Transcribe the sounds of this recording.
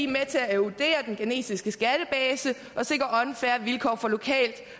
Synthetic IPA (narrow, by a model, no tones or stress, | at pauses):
imet͡sʰe̝æeud̥e̝̰ːɐd̥enɡ̥ene̝̰ːsisɡ̥əsɡ̥æɾ̥əb̥ɛːsə | ʔɒ̽se̝ɡ̥ʁɐɒ̽nfæːɐʋilkʰɒ̰ːfɒ̽lo̝kʰɛ̰ːld̥